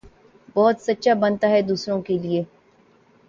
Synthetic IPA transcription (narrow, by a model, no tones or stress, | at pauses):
bɔːʊt̪sɐtːʃabɐnt̪aɦɛd̪uːsɾõkelieː